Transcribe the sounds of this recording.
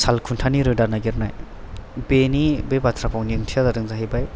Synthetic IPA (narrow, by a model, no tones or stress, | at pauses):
salkʰuntʰaniɾɯdaɾnaɡiɾnaj | benibebatʰɾapʰawniɯŋtʰijadaɾɯŋzaɦijbaj